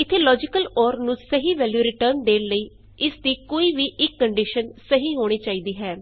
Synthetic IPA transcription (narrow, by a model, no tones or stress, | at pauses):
ɪt̪ʰːeːlɔːd͡ʒɪkəlɔːɾnũːsəɦiːʋɛːljuːɾɪʈəɾnd̪eːləiː | ɪsd̪iːkoːiːʋiːʔɪkːəɳɖiːʃənsəɦiːɦoːɽ̃iːt͡ʃaːiːd̪iːɦɛː